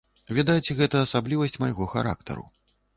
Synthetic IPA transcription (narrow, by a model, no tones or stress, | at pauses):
vʲid̪ajt͡sʲɛɣɛt̪ɐːsablʲivɐsʲt͡sʲmajɣɔxa̰ɾa̰k̚t̪ɐ̰ɾṵ